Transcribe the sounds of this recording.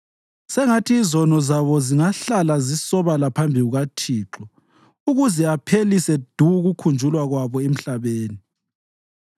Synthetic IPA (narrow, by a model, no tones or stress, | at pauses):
sɛŋatʰiːzɔnɔzaβɔziŋaɬalazisɔβalapʰambʱiɣuɣatʰiːǁɔ | uɣuzɛapʰelisɛd̥ʱuɣukʰund͡ʒʱulwaɣwaβɔem̩ɬaβeːni